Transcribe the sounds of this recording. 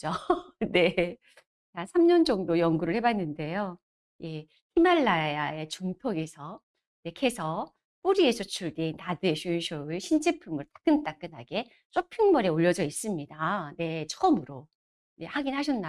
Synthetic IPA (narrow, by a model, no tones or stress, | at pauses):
d͡ʑone̞ | ansʰamɲʌnd͡ʑʌŋdojʌŋɡuɾɯɭhebanːɯnde̞jo | je̞ | hʰimaɭːajae̞t͡ɕuŋtʰoɡe̞sʰʌ | ne̞kʰe̞sʰʌ | p͈uɾie̞sʰʌt͡ɕʰuɭdentadɯeɕʰuɕʰoɯɭɕʰind͡ʑepʰumɯɭt͈ḁk͈ɯnt͈ak͈ɯnɦa̰ɡe̞ | t͡ɕ͈opʰiŋmʌɾeoʎːʌd͡ʑʌis͈ɯmɲidane̞t͡ɕʰʌʌmɯɾo | je̞haɡinɦaɕ̬ʰʌnːa